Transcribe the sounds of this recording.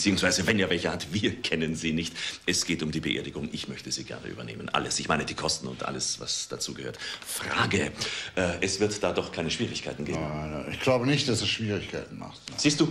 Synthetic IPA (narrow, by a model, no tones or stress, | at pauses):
t͡siːʊŋsv̥aɪzəvɛnjeːvɛlçɐhatv̥iːɐkʰɛnənziːnɪçtʔɛsɡ̥eːtʊmdiːbəʔḛːɐdɪɡʊŋʔɪçmœçtəziːɡɛ̰ɐnə̰ʔy̰ːbɐnḛːmənʔa̰ləsɪçmaɪnədiːkʰɔstn̩ʊ̰ntʔa̰ləsva̰sd̥a̰t͡sṵːɡəhøːɐtfʁ̥a̰ːɡəʔɛːʔɛsv̥ɪɐtd̥aːdɔχkʰaɪnəʃv̥iːʁɪçkʰaɪtn̩ɡeːbnnɪçɡ̥laʊbənɪçt̚d̥asd̥uʃv̥iːʁɪçkʰaɪtn̩ma̰χstz̥iːst̚d̥uː